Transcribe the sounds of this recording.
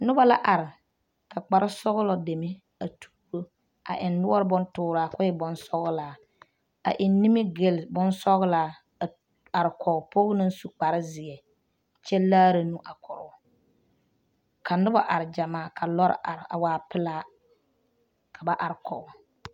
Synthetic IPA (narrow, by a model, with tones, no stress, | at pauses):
nʊ˦ba˦la˦ʔa˨ɾɪ˨ | ka˨k͡pa˨ɾɪ˦sɔ˦ɣʊ˦lɔ˦de˨mɪ˦ | a˨tʰu̥ː˦bo˦ | a̰˨ʔɪ˨nːʊ˦ɔ˦ɾɨ˦bɔ˦ntʊː˦ɾaː˨kʊ˦jɪ˦bɔ˨nsɔ˦ɣlaː˨ | a̰˨ʔɪ˨nː˦i˦mɪ˦ɡe˦lbɔ˦nsɔ˦ɣlaː˨ | a˨ɾɪ˨kʰɔ˨po˦ɣʊ˦nɨ˦su˨k͡pa˨ɾɪ˦zɪ˨ɛ˨ | t͡ʃɛ˦laː˦ɾa˨nu˦ʔa˨kʰɔ˨ɾʊ˨˦ | kʰa˨nʊ˦ba˦ʔa˨ɾɪ˨d͡ʒa˨maː˦˨kʰa˨lɔ˦ɾ̰ʔa̰˨ɾɪ˨a˨waː˦pɪ˦laː˦ | kʰa˨ba˦ʔa˨ɾɪ˨kʰɔ̰˨ʊ˨